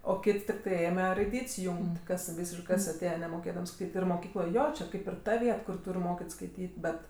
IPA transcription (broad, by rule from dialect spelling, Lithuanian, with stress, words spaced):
oː ˈkʲɪtʲ tʲɪkˈtɐɪ ˈeːmʲɛ rɐɪˈdʲiːtʲsʲ ˈjuːŋʲkʲtʲ kɐs ˈʋʲiːsʲɪʃkɜ ˈkɐs ɐˈtʲeːjɛ nʲɛmoːˈkʲeːdɐms kɐɪp ɪr moːˈkʲiːklˠoːj ˈjoː t͡ʃʲɛ ˈkɐɪp ɪr ˈtɐ ˈʋʲiɛt kʊr ˈtuːrʲ ˈmoːkʲɪtʲ skɐɪˈtʲiːtʲ ˈbʲɛt